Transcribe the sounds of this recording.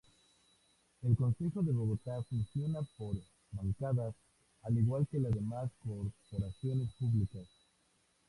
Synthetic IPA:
elko̞nse̞xo̞ðe̞βo̞ɣo̞t̪afunsjo̞napo̞ɾ | βaŋkaðas | aliɣwalke̞laðe̞masko̞ɾpo̞ɾasjo̞ne̞spuβlikas

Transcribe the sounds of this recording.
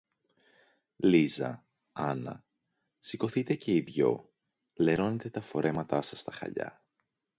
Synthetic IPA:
lizɐ̰ | ɐnɐ̰ | siko̞θit̪e̞ce̞iðʝo̞̰ | le̞ɾo̞ne̞t̪e̞t̪ɐfo̞ɾe̞mɐt̪ɐsɐst̪ɐxɐ̰ʎɐ̰

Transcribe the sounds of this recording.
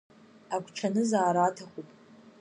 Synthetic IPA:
aɡʷʼʈ͡ʂʰanɨzaːɾaːtʰaχʷupʼ

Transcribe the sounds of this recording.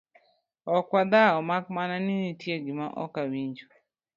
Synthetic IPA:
ɔkwad̪aɔmakmananinitjeɡimaʔɔ̰kawiɲd͡ʒo

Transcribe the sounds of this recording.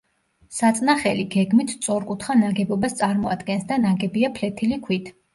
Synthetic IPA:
sat̪sʼnaχɛliɡɛɡmit̪ʰt̪sʼɔɾkʼut̪ʰχanaɡɛbɔbast̪sʼaɾmɔad̪̥ɡɛnsd̪anaɡɛbiapʰlɛt̪ʰilikʰwit̪ʰ

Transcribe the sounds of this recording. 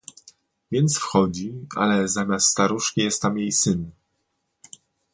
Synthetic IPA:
vʲjɛnt̪sfxɔd͡ʑia̰lɛzamʲast̪st̪aɾuʂkʲijɛst̪ːamjejsɘn

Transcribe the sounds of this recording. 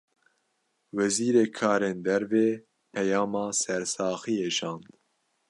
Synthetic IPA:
wɛziːɾeːkʰɑːɾeːnd̪ɛɾveː | pʰɛjɑːmɑːsɛɾsɑːxieʒɑ̃ːnd̪

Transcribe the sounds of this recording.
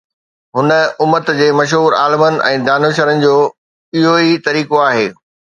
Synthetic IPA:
ɦʊnə̆ʊmət̪d͡ʑeːmɐʃ̬ɦuːɾa̰ːlɪmənɪ̆ɛ̰̃ːd̪aːnoːʃ̬əɾənɪ̆d͡ʑoː | ɪɦoit̪ɐɾiːkoaːɦeː

